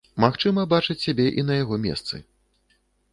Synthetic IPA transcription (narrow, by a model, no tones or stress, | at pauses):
maxt͡ʂɨmɐbat͡ʂɨt͡sʲsʲabʲɛʔin̪ɐjaɣɔmʲɛ̰st̪sɨ̰